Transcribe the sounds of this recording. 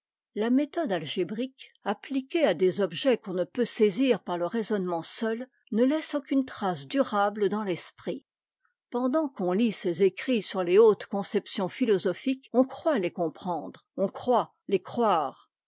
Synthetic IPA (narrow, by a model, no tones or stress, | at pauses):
lamet̪ɔd̪alʒebʁikaplikʲead̪ezɔbʒɛkɔ̃nəpøseziʁpaʁləʁezɔnmɑ̃sœl | nəlɛsokʲynt̪χasd̪yʁabld̪ɑ̃lɛspχi | pɑ̃d̪ɑ̃kɔ̃lisezekχisyʁleot̪kɔ̃sɛpsjɔ̃filɔzɔfikɔ̃kχwalekɔ̃pχɑ̃d̪ʁɔ̃kχwa | lekχwaːʁ